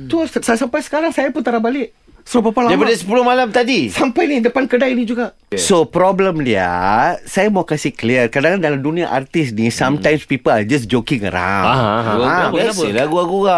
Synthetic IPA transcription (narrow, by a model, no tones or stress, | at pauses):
t̪ossasampajsə̥kaɾaŋsajapʊnt̪aɾabalɪʔ | səɾopapaladajpadasə̥pulʊhmalamt̪adisampajnidəpankədajnĩd͡ʒuɡaʔ | sopɾɔbləmdia̰sajamakasikliərkadãŋandalamdunĩaʔart̪ɪs̬nisamtãjmspipəlad͡ʒas̬d͡ʒokiŋə̰ɾa̰waalaɡuaɡua